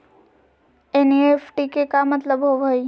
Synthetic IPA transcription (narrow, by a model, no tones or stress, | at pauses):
enefʰʈikekamət̪ləbɦoʋoj